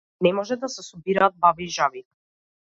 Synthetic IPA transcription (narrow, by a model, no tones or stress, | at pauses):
nɛmɔʒɛd̪asɛsɔbiɾaːd̪̚baviːʒavi